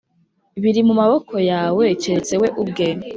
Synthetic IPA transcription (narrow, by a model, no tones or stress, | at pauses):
βiɾimumaβokʰo̞jaːwet͡ʃeɾet͡se̞we̞ʔub̚ɡe